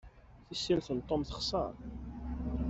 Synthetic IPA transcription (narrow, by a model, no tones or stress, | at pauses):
θisːilθənt̪ˤːomθə̥χsˤɑ̰ɾˤ